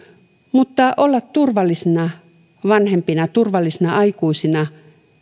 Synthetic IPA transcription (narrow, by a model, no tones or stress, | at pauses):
mut̪ːɑʔolːɑt̪t̪urʋɑlːisinɑ | ʋɑnhempinɑt̪urʋɑlːisinɑɑikuisinɑ